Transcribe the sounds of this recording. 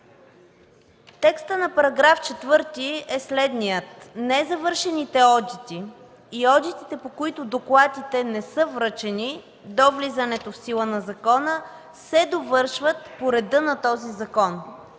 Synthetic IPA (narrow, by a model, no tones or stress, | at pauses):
t̪ɛkst̪ənɐpɐɾɐɡɾaft͡ʃɛt̪vɤɾt̪iɛslɛd̪nijət̪nɛzɐvɤɾʃɛnit̪ɛɔd̪it̪iː | ɔd̪it̪it̪ɛpokoit̪ʊd̪oklˠad̪it̪ɛnɛsɤvɾət͡ʃɛni | d̪ɔvlizənɛt̪ofsilˠənɐzɐkɔnə | sɛd̪ovɤɾʃvət̪poɾɛd̪ɤnɐt̪ɔzizɐkɔn